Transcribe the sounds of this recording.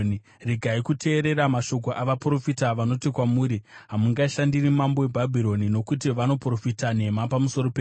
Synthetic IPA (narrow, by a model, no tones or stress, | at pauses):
riɡʱaikutʰe̞ːɾe̞ɾamaʃo̞k̬o̞ʔaʋapuro̞fitaʋano̞tikwamuːɾiɦamuŋɡaʃandirimamboebʱabʱiɾo̞nino̞kutiʋano̞pro̞fitane̞mapamuso̞ɾo̞pe